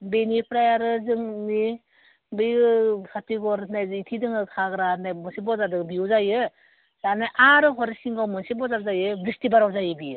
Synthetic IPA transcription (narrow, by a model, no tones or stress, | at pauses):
benipʰɾajaɾɯzɯŋni | bɯjɡɯsʰatiɡɔɾnajzitʰidɯŋɯkʰaɡɾanajmɯnsibɔzadɯŋbiuzajɯ | sanajʔaɾɯɦʰɔɾesiŋɡawmɯnsibɔzazajɯbɾistibaɾawzajɯbijɯ